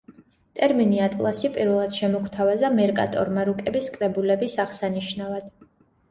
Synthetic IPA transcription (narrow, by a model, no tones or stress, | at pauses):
t̪ʼɛɾminiat̪ʼlˠasipʼiɾvɛlˠad̪̥ʃɛmɔkʰt̪ʰavazamɛɾkʼa̰t̪ʼɔ̰ɾmaɾukʼɛbiskʼɾɛbulɛbisaʁsaniʃnavad̪̥